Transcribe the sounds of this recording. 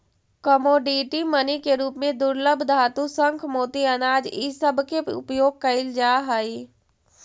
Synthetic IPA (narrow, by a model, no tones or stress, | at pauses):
kəmoːɖiːʈimənikeɾuːpmẽd̪ʊɾləbʱd̪ʱaːt̪usə̃ŋkʰmoːt̪iɐnaːd͡ʒisəbʱkeʊ̰pjoːɡ̚kɐɪld͡ʒaːɦaːi